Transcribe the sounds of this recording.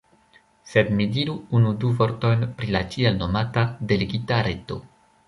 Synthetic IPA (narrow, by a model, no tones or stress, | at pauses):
se̞dmidiɾuunuduvo̞ɾto̞jnpɾilat͡ʃielno̞matade̞leɡitaɾe̞to̞̰